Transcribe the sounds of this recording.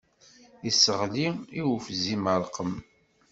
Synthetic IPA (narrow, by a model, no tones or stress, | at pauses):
isəʁliiwfziməɾˤqəm